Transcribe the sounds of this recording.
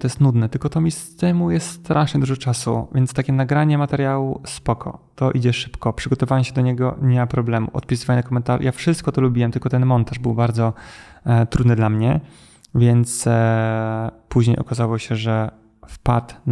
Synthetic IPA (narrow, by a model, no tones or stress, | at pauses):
t̪ɔjɛst̪nud̪nɛt̪ɘlkɔt̪ɔmʲist̪ɛmujɛst̪st̪ɾʔaʂɲɛd̪uʐɔt͡ʂasṵvʲjɛnt̪st̪akʲɛnaɡɾaɲɛmat̪ɛɾjawuspɔkʰɔ̰t̪ɔʔid͡ʑɛʂɘ̥pkɔpʂɨɡɔt̪ɔvawɛɕɛd̪ɔɲɛɡɔ̰ɲɛmapɾɔblɛmṵʔɔ̰t̪̚pʲisɨvajnakɔmɛnt̪aʐṵjafʂɘst̪̚kɔt̪ɔlubʲiwɛmt̪ɘlkɔt̪ɛnmɔnt̪aʐbɘwbaɾd̪zɔ | t̪ɾud̪nɘd̪lamɲɛ | vʲjɛnt̪s | puʑɲejɔ̰kazawɔɕɛʐɛ | fpat̪